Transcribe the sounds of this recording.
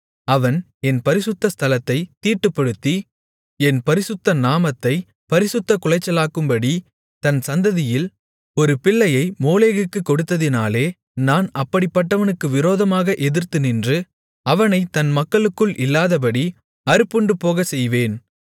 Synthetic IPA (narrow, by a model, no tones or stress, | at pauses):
ɐʋɐn | ɛnpɐɾɪsɯt̪ːɐst̪ʰɐlɐt̪ːɐɪt̪ːiːʈːɯpːɐɽɯt̪ːi | ɛnpɐɾɪsʊt̪ːɐnaːmɐt̪ːɐɪ | pɐɾɪsɯt̪ːɐkʊlɐɪt͡ʃːɐlaːkɯmbɐɽi | t̪ɐnsɐnd̪ɐðɪjɪl | ɔɾɯpɪɭːɐjɐɪmoːleːɣɯkːɯkːɔɽɯt̪ːɐðɪnaːleː | naːnɐpːɐɽɪpːɐʈːɐʋɐnɯkːɯʋɪɾoːðɐmaːɣɐʔɛðɪɾt̪ɯnɪndrɯ | ɐʋɐnɐɪt̪ɐnmɐkːɐɭɯkːɯɭʔɪlːaːðɐp̬ɐɽi | ɐɾɯpːɯɳɖɯpoːɣɐsɛjʋeːn